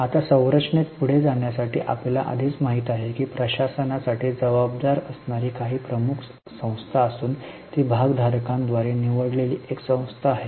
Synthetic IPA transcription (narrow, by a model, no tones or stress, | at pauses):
at̪asə̃w̃ɾət͡sɳet̪̚puɽ̤ed͡zaɳjasaʈḭːʔa̰plela̰ʔə̰d̪ʱiːt͡smaɦit̪aɦekiːpɾəɕasənasaʈiːd͡zəʋab̚d̪aɾəsnaɾiːkaɦiːpɾəmukʰ | sə̃w̃st̪ʰaəsuːnt̪iːbʱaɡd̪ʱaɾkãnd̪ʋaɾeniʋəɽleliːʔeksə̃w̃st̪ʰaːɦe